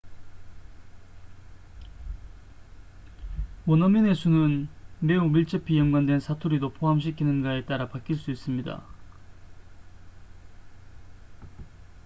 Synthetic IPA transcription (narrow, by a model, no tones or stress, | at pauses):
wʌnʌmʌne̞sʰunɯnme̞umiɭt͡ɕ͈ʌpʰijʌmɡwandwe̞nsʰatʰuɾidopoɦamɕ̬ʰikʰinɯnɡaet͈aɾapak͈ʰiɭs͈uis͈ɯmɲida̰